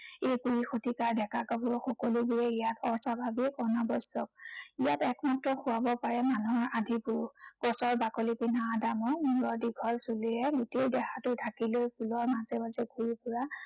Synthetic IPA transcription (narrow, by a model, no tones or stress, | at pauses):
ejpuɹixotikaɹdɛkakɔbʊɹxɔkɔlubuɹɛijatɔsabʱabikɔnabɔjsɔk̚ijatɛkmatɹɔxʊabɔpaɹɛmanɔɹadʱipʊɹkɔsɔɹbakolipinaːdamɔmuɹɔɹdiɡʱɔlsuliɛɡotejdɛxatʊtʰakilojpʰulɔɹmazɛmazɛɡʱuɹipʊɹa